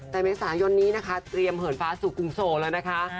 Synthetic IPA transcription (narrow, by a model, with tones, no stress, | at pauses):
t̪ɛː˨˩meː˧˥saː˩˦jo˧nːiː˦˥na˦˥kʰa˦˥t̪ɾi˧əmhɤː˩˦nfaː˦˥suː˨˩ku˨˧˩ŋsoː˨˩lɤː˧jna˦˥kʰa˦˥